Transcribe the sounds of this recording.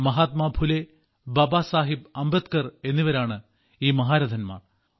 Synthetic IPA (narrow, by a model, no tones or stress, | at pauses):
mɐɦaːt̪maːbʱule | bɐbaːsaːɦib̚ɐmbɐt̪kɐre̞nːiʋɐɾaːɳɨ | iːmɐɦaːɾɐd̪ʱɐnma̰ːr